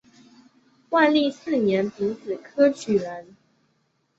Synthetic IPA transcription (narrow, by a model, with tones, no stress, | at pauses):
wa˥˧nli˥˧sɹ̩˥˩njɛ˨˦npi˧˥˦t͡sɹ̩˨˩kʰɤ˥t͡ɕʰy˨˩lə˨˦n